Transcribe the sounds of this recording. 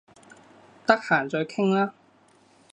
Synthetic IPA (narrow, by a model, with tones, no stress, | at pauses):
t̪ɐ˥k̚haː˨˩nt͡sɵ˧kʰɪ˥ŋlaː˥